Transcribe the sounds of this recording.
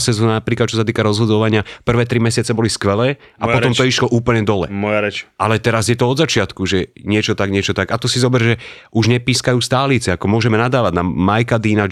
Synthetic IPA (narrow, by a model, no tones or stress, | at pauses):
sɛzɔnanapɾiːklat̪t͡ʃɔs̬at̪iːkaɾɔzɦɔd̪ɔʋaɲɪapr̩ʋɛːt̪ɾimɛsɪat͡sɛbɔliskʋɛlɛː | ʔapɔt̪ɔmt̪ɔiʃlɔʔuːpl̩ɲɛd̪ɔlɛ̰mɔʔalɛt̪ɛɾazjɛt̪ɔɔd̪zat͡ʃɪat̪kuʒɛɲɪɛt͡ʃɔt̪aɡɲɪɛt͡ʃɔt̪aɡat̪ɔsizɔbɛɾʒɛʔuʒɲɛpiːskajuːst̪aːlit͡sɛakɔmʊɔʒɛmɛnad̪aːʋadnamajkad̪iːna